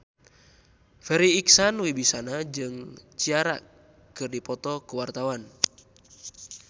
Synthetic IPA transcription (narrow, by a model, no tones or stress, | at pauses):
fɛɾiːksanwibisanad͡ʒɨŋt͡ʃiaɾa̰ | kɨrdipɔt̪ɔkəwart̪awan